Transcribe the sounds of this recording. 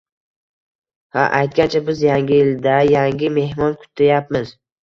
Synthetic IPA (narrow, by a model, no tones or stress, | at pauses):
ha̰ʔajt̪̚ɡʲant͡ʃʰabɪzjaŋɡʲɪjɪld̪ajaŋɡʲɪme̞hmɒnkʰʊ̥t̪ʰːajap̚mɪz